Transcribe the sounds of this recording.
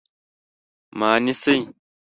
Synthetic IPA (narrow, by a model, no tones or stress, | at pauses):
maːnisej